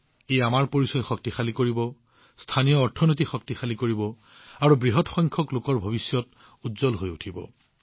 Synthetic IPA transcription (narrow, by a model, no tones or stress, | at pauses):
ejamaɹpoɹisɔjxɔktixalikoɹibɔ | stʰanijɔːɹtʰɔnot̬ixɔk̚tixalikoɹibɔ | aɹubɹiɦɔtxɔjŋkʰɔklokɔɹbʱɔbisjɔt | utzɔlɦojutʰibɔ̰